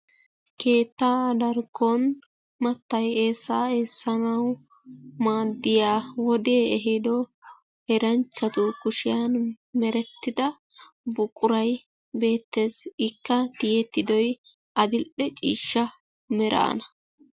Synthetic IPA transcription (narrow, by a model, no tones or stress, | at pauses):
ke̞ːt̪ːaːd̪ɐɾɡɔn | mɐt̪ːɐjeːsːaːeːsːɐnɐw | maːd̪ːɪjaːwɔd̪eːɛɦɪd̪ɔ | ɛɾɐnt͡ʃːɐt̪ʊkʊʃɪjan | mɛɾɛt̪ːɪd̪ɐ | bʊkʼʊɾɐj | be̞ːt̪ːe̞ːsɪkːɐt̪ɪjɛt̪ːɪd̪ɔj | ʔɐd̪ɪlʔɛt͡ʃʼiːʃːɐ | mɛɾʔɐ̰ːnɐ